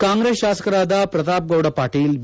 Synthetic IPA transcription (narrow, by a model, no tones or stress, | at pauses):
kaːŋɡɾeːsaːsɐ̥kɐɾaːd̪apɾɐt̪aːp̚ɡɐwɽɐpaːɾʈijil